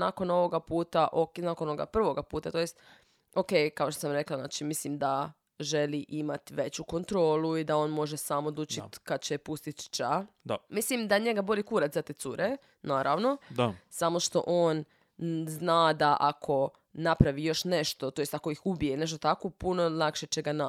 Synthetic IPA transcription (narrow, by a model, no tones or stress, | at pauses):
nako̞no̞ʋoɡapuːt̪aʔoknakonooɡa̰pr̩ʋo̞ɡapuːt̪at̪o̞jest̪ | oke̞jkaoʃt̪osamɾe̞klˠaznaːt͡ʃimislimd̪a | ʒeliʔimat̪ʋe̞t͡ɕuko̞nt̪ɾo̞ːlˠuid̪ao̞ːnmo̞ʒesamod̪luːt͡ʃit̪kad̪̚t͡ɕepust̪it̪t͡ʃa | mislimd̪aɲeɡabo̞likuɾat̪zat̪et̪suɾe | naːɾaʋno̞samo̞ʃt̪o̞̰ʔoːn | znaːd̪aʔakʰo̞ | napɾaʋijo̞ʃne̞ʃt̪o̞t̪o̞jest̪ako̞ixubijene̞ʃt̪ot̪akopuno̞lˠakʃet͡ɕeɡana